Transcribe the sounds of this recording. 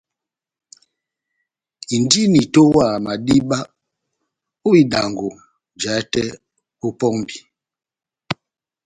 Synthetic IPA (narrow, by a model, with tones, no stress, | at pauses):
i˨n˦di˦ni˨to˦wa˦˨ma˨di˦ɓa˦ | o˦i˦da˨ŋɡo˨ | d͡ʒa˨˦tɛ˦ | o˦pɔ˦ŋbi˨